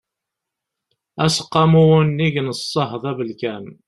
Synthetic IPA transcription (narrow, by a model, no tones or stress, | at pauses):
æsə̥qːɑmuwənːiʝənəsˤːəɦðˤævəlkæn